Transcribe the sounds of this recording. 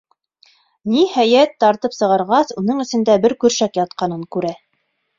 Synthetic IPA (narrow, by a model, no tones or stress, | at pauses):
nihæjæt̪ːɑɾt̪ɤpsɤ̆ʁɑɾʁɑsunɤɴɘ̆sɘ̆nd̪æbɘɾkɵ̆ɾʃækjɑt̪̚qɑnɤŋkʉɾæ